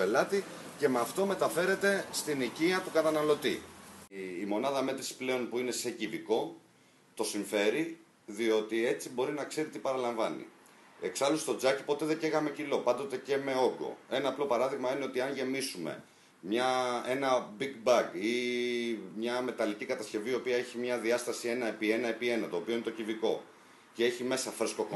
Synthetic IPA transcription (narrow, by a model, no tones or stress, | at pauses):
pe̞lɐt̪ice̞mɐft̪o̞me̞t̪ɐfe̞ɾe̞t̪e̞st̪iniciɐt̪ukɐt̪ɐnɐlo̞t̪ḭː | mo̞nɐðɐme̞t̪ɾisple̞o̞npuine̞seciviko̞ | t̪o̞siɱfe̞ɾi | ðio̞t̪ie̞t͡sibo̞ɾinɐkse̞ɾit̪ipɐɾɐlɐɱvɐnḭ | e̞ksɐlust̪o̞d͡zɐci̥po̞t̪e̞ðe̞ceɣɐme̞cilo̞pɐnd̪o̞t̪e̞ce̞me̞o̞ɡo̞̰e̞nɐːplo̞pɐɾɐðiɣmɐineo̞t̪iɐnʝe̞misume̞̰ | mɲɐe̞nɐbiɡbɐɡi | mɲɐme̞t̪ɐlicikɐt̪ɐsce̞viio̞piɐe̞çimɲɐðiɐst̪ɐsie̞nɐepie̞nɐepie̞nɐt̪o̞ːpio̞inet̪ociviko̞ | ce̞e̞çime̞sɐfɾesko̞ko